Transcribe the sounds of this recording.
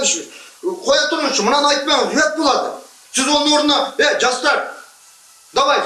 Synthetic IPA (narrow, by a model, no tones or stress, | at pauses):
ʃqʰojɑt̪əɾmənʃəmənɑnɑjt̪̚mɑjet̪̚bolˠɑd̪ə̰ | ʒʏzwonˠəwoɾənɑeʒɑst̪ɑɾ | d̪̥ɑbɑj